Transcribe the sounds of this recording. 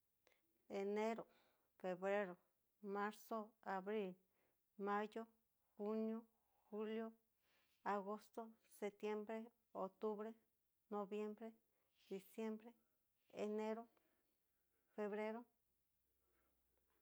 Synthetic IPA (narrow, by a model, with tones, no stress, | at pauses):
e˨ne˦ɾo˨ | fe˨βɾe˦ɾo˨ | ma˦ɾso˦a˨βɾi˦l | ma˦jo˦ | xu˦njo˦ | xu˦ljo˦ | a˨ɣo˦st̪o˦ | se˧t̪je˦mbɾe˦ | o˨t̪u˦βɾe˦ | no˧βje˦mbɾe˦ | d̪̥i˨sje˦mbɾe˦ | e˨ne˦ɾo˦ | fe˧βɾe˦ɾo˦